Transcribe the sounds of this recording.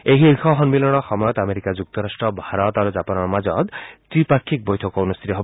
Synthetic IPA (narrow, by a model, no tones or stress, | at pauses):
eɦixɔɦɔnmilɔɽ̃ɔxɔmɔjɔt̪ameɾikad͡ʒuk̚t̪ɔɾasʈɾɔbʱaɾɔt̪aɾud͡ʒapanɔɾmad͡ʒɔt̪tipaɾkʰːik̚bɔjtʰɔkɔunust̪ʰit̪ɔɦeb